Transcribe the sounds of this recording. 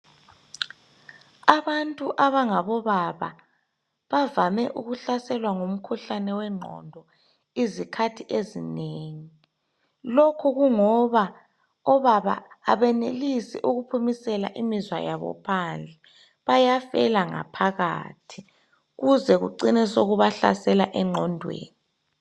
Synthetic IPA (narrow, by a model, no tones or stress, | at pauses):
aβantʼuʔaβaŋaβɔβaβa̰ | βavamɛʔuɣuɬasɛlwaŋom̩kʰuɬanɛwɛŋ͡ǃʱɔ̰ndʱɔ | izikʰatʰiʔezineːŋi | lokʰuɣuŋɔβa | ɔβaβa̰ːβɛnelisiʔuɣupʰumisɛla̰ʔimizwa̰jaβɔ̰pʰand͡ɮʱɛ | βajafɛlaŋa̰pʰaɣa̰ːtʰi̥ | ɣuzɛɣṵǀinɛsoɣuβaɬa̰sɛlaʔɛŋ͡ǃʱɔndʱwḛːni